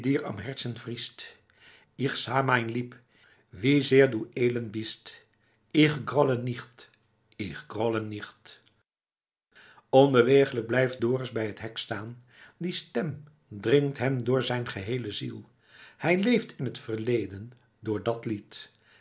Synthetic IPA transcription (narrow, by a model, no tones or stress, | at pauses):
diːɹɑ̰mɦɛɹtsənvrist | iχsaːmajnlip | ʋizɪːɹdueːlɑnbist | ɪχɡrɔləniχt | ɪχɡrɔləniχt | ɔnbəʋejχələɡ̚blɛjf̚dʊːrəzbɛjɦətɦɛkstaːn | distɛm | drɪŋtɦɛmdʊːɹzɛjnχəɦejləzḭlˠ | hɛjlejftʰɪnɦətfəɹlejdən | dʊːɹdɑtlit